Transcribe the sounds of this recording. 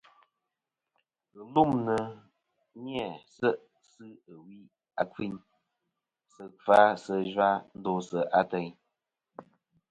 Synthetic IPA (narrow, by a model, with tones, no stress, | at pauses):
ɣɨ˨lu˦˨mnə˨ | ɲi˦ɛ˨sə˦ʔ | sɨ˦ə˨wi˦ | a̰˦kwi˦ɲ | sə˧fa˦sə˧ʒwa˦n̩˦dɔ˦sə˨ʔa˦tɛ˨ɲ